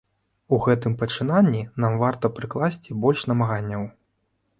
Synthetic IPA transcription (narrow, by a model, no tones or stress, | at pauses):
uɣɛt̪ɨmpɐt͡ʂɨnanʲːinamvart̪ɐpɾɨklˠasʲt͡sʲibɔlʲʂnɐmaɣanʲːɐw